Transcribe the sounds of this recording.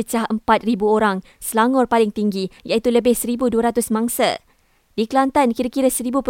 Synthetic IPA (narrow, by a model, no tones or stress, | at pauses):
ət͡ʃaɦəmpat̪̚ribuoɾaŋ | səlaŋɔrpalɪŋt̪iŋɡijait̪uləbɪhsəɾibuduəɾat̪ʊsmãŋsa̰ | diklant̪ankiɾakiɾasəɾibup